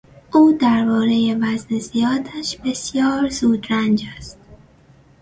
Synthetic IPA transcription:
ʔuːd̪æɾbɒːɾe̞je̞væznezijɒːd̪æʃbe̞sjɒːɾzuːd̪ɾænd͡ʒæst̪̚

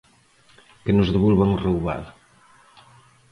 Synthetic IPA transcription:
kənuzðəβulβaŋrəwβa̰l

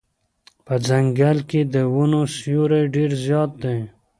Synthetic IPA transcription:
pəd͡zaŋɡalked̪əwunosjoɾejɖeɾzjɑːt̪̚d̪e

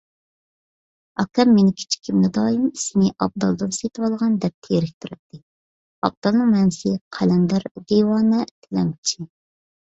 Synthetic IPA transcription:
ɑ̰kʲɛmːenɪkʲʰi̥t͡ʃʰi̥kʲʰːimnɛd̪ɑːjimisɪnɪʔɑb̚d̪ɑ̰lˠd̪ɨnset̪ʰɨwɑlˠʁɑnd̪ɛp̚t̪ʰeɾɪkʲt̪ʰuɾɛt̪ːɨ | ɑ̰b̚d̪ɑlˠnɨŋmɛnsɪqʰælɛnd̪æɾd̪ewɑːnɛt̪ʰɪlɛ̰mt͡ʃʰi

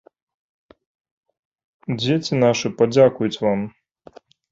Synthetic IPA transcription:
d͡zʲet͡sʲinaʂɨpad͡zʲakujut͡sʲvam

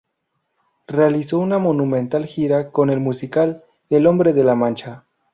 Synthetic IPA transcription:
realiso̞unamo̞nũmẽnt̪alxiɾako̞ne̞lmusikal | elo̞mbɾe̞ðe̞lamãnt͡ʃa

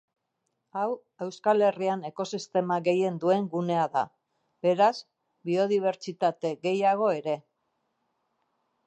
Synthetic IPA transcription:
aw | e̞wskale̞riane̞ko̞sist̪e̞maɣe̞je̞nd̪ue̞ŋɡune̞aða | be̞ɾaz | bio̞ðiβ̞e̞ɾt͡ʃit̪at̪e̞ɣe̞jaɣ̞o̞e̞ɾe̞

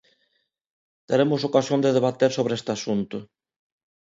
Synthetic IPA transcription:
t̪eɾemʊsokasjond̪eðeβat̪eɾsoβɾeest̪easunt̪ʊ

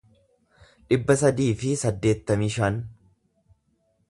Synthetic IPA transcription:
ᶑɪbːɐs̬ɐd̪iːfɪsɐd̪ːe̞ːt̪ːɐmiːʃɐn

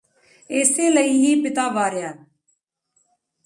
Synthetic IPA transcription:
eːseːləiːɦiːpɪt̪aːʋaːɾɪjaː

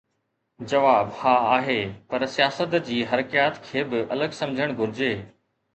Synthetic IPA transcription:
d͡ʑɐʋaːbhaːaːɦeːpɐɾsijaːsət̪d͡ʑiːɦɐɾkijaːt̪kʰeːbɪʔɐləɡsɐ̃md͡ʑʱəɽ̃ɡʱʊɾɪd͡ʑeː

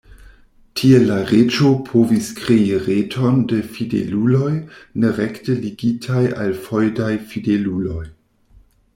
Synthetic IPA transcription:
tʰielaɾet͡ʃo̞pʰo̞viskɾeiɾetʰo̞ndefidḛlulo̞jneɾektəliɡitʰaja̰lfo̞jdajfidelulo̞j

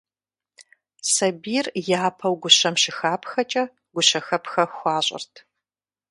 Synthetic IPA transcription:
sɐbiːrjaːpʰɐwɡʷʊɕɐmɕɪxaːpʰxɐt͡ʃʼɐ | ɡ̥ʷʊɕɐxɐpxɐxʷɑːɕʼɪ̰rtʰ

